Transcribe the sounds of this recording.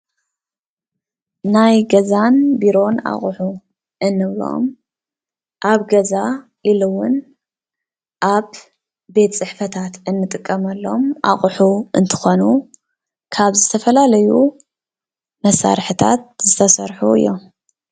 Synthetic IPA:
najɡɐzanbiɾo̞na̰χʼħu | ʔɨnːɨβɾo̰m | ʔaβɡɐza | ʔilɨwːʊn | ʔaβ | be̞t̪t͡sʼɨħfɐt̪ʰat̪ɨnːɨt̪ʼɨkʼːɐmɐlːo̞mʔa̰χʼħuʔɨnt̪ʰɨ̥xo̞nu | kʰaβzɨt̪ʰɐfɐlalɐju | mɐsa̰ɾħɨt̪ʰa̰t̪zɨt̪ʰɐsɐɾħuɨ̰jːom

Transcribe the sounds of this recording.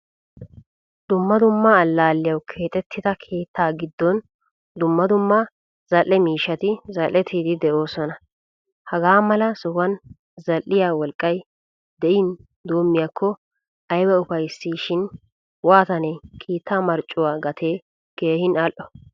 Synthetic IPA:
d̪̥ʊmːɐd̪ʊmːɐːlːaːlːɪjɐwkʰeːt̪ʼɛt̪ʰːɪd̪ɐkʰe̞ːt̪ːaːɡɪd̪ːɔn | d̪ʊmːɐd̪ʊmːɐ | z̥ɐlːɛmiːʃɐt̪ɪzɐlʔːɛt̪ʰiːd̪ɪd̪ɛʔoːsɔnɐ | hɐɡaːmɐlɐsɔhɐn | zɐlːɪjaːwɔlkʼːɐj | d̪ɛʔɪn | d̪oːmːɪjakʰːɔ | ɐjbɛʊfɐjsːiːʃɪn | waːt̪ɐnekʰiːt̪ʰːaːmɐɾt͡ʃʼːʊwaːɡɐt̪ʰeː | ɡ̥eːhɪnɐlʔɔ

